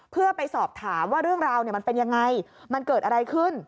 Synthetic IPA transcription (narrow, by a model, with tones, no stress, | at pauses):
pʰɯ˥˩ɐpa˧jsɔː˨˩p̚t̪ʰaː˩˦mwaː˥˩ɾɯ˥˩əŋɾaː˧wni˧˩ma˧npe˧nja˧ŋːa˧jma˧nkɤː˨˩t̪̚ʔa˧ɾa˧jkʰɯ˥˩n